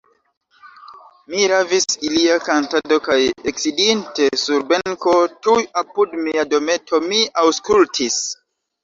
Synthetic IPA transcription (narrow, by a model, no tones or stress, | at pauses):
miɾavisiliakantado̞kajeksidinte̞suɾbe̞ŋko̞tujapudmiado̞me̞tʰo̞miawskultʰis